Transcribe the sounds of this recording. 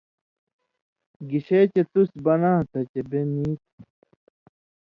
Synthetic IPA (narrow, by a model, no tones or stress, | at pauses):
ɡiɕeːt͡ɕet̪usbɐnaːt̪ɐt͡ɕebeniːt̪̚u